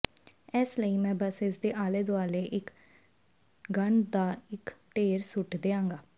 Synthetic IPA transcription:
ɛsləiːmɛ̃ːbəsɪsd̪eːʔaːleːd̪oaːleːʔɪk | ɡəɳd̪aːɪkʈeːɾsʊʈd̪eːãːŋɡaː

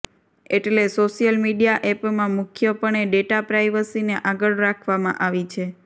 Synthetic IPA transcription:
eʈlesoʃijəlmiɖijaʔɛpmãmʊkʰjəpəɳ̃eɖeʈapɾajʋəsineʔaɡəɭɾakʰʋamã̰ʔaʋit͡ʃʰe

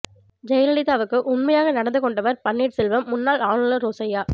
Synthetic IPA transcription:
d͡ʒɛjɐlɐɽɪt̪ːaːʋɯkːɯʔʊnmɐjaːɣɐnɐɽɐnd̪ɯkɔɳɖɐʋɐɾpɐnːiːʈsɪlʋɐmːʊnːaːlaːɳɯlɯɾoːsɐjaː

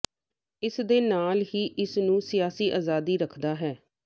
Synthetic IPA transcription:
ɪsd̪eːnaːlɦiːʔɪsnũːsɪjaːsiːʔaːzaːd̪iːɾəkʰd̪aːɦɛː

